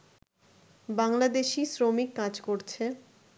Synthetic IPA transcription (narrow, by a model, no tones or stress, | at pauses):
baŋlad̪eʃisɾomikːad͡ʑkoɾt͡ɕʰe